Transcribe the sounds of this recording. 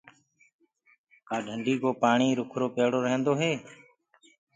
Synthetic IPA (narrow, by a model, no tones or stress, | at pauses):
kaːɖʱəɳɖiːkoːpaːɳiːɾʊkʰɾoːpeːɽoːɾəɦə̃nd̪oːɦeː